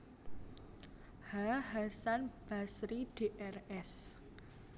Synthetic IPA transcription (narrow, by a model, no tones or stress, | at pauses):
haɦasanb̥asɾiɖ̥e̤ʔɛrɛs